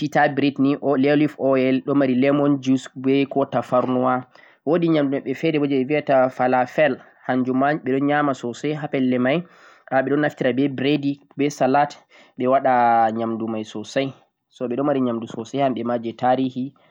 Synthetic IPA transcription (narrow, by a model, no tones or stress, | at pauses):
titabɾitniʔɔlɛlifɔɛlɗɔmaɾilɛmɔnd͡ʒusbɛkɔtafaɾnuwa | wodiɲamdumaɓɛfɛdɛbod͡ʒɛɓɛviatafalafɛl | haɲd͡ʒumaɲɓɛɗɔnɲamasɔsajɦapɛlːɛmaj | ʔaɓɛɗɔnːaftiɾabɛbɾedi | bɛsalat | ɓɛwaɗaɲamdumajsɔsaj | sɔɓɛɗɔmaɾiɲamdusɔsajhamɓɛmad͡ʒɛtaɾihi